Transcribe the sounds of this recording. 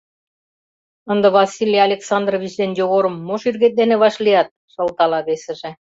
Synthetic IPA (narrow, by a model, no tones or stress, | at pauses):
ə̆nd̪ɤ̆βɑsʲilʲijɑlʲeksɑnd̪rovit͡ɕd̪enjoɣoɾə̆mːoʃyrɣet̪̚d̪enĕβɑʃliɑt̪̚ʃɤ̆lt̪ɑlɑβesɘ̆ʒĕ